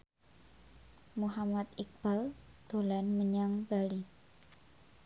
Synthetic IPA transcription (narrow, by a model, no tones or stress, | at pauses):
muɦamat̪ik̚b̥ald̪̥o̤lanməɲaŋbali